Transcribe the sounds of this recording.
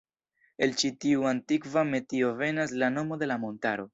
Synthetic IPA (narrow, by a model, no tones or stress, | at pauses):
e̞lt͡ʃitiuantikvame̞tio̞ve̞naslano̞mo̞de̞lamo̞ntaɾo̞